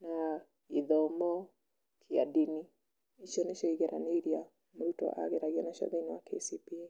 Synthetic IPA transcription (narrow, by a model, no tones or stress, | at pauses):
na | iðɔmɔ | kʰia̰dini | iʃɔnɛʃɔiɣɛɾaniɾia | mɾutɔ̰ʔa̰ɣɛɾaɣianaʃɔ̰ðɛniwakḛsipie